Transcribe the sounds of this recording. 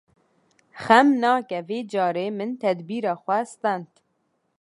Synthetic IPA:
xɛmnɑːkɛveːd͡ʒɑːɾeːmɨnt̪ʰɛd̪biːɾɑːxʷɛst̪ɑnt̪

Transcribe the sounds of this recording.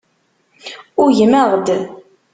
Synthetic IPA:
ʊɾʝəməʁd̪

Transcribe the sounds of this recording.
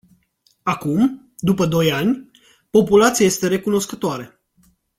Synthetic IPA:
akum | d̪upəd̪o̞janʲ | po̞pulat̪sijaje̞st̪e̞ɾe̞kuno̞skət̪oaɾe

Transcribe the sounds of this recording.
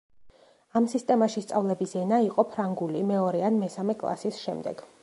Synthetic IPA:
amsist̪ʼɛmaʃist̪sʼavlɛbisɛnaiqʼɔpʰɾaŋɡulimɛɔɾɛanmɛsamɛkʼlˠa̰sisʃɛ̰md̪ɛ̰ɡ̥

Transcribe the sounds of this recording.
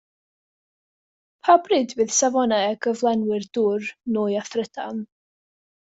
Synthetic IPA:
pʰabrɨdvɨð̥savɔnaɛɡəvlˠɛnwɪrd̥ʊrnuːjaθrəd̥a̰n

